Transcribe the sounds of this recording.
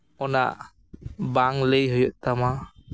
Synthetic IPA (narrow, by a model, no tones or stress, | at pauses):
ɔna̰ʔ | baŋləjɦɔjɔʔ̚t̪ama